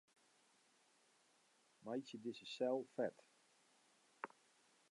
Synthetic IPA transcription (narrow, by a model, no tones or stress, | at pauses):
majsjədɪsəsɛlˠfɛt